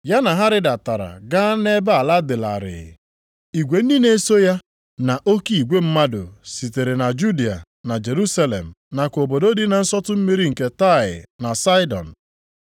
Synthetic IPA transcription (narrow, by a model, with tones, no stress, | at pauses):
ja˦na˨ɦa˦ɾɪ˦da˨ta˨ɾa̰˨ɡa˦ne˦ba˦a˨la˦dɪ˨la̰˨ɾɪ̰˨ɣɪ̰˨ | i˨ɡʷe˨n̩˦di˦ne˦so˦ja˦ | na˨ʔo˦ki˦˨i˨ɡʷe˦m̩˦ma˦dʊ̰˨si˨te˨ɾe˨na˨d͡ʒu˦di˨a̰˨ | na˨d͡ʒe˨ɾu˦sa˦lḛ˨m̩˨na˨ko˨bo˨do˦di˦na˨n̩˦sɔ˦tʊ˦m̩˦mi˦ɾi˦ŋ̩˨ke˦ta˦˨ɪ̰˨na˨sa˦ɪ˦dɔ̰˨n̩˨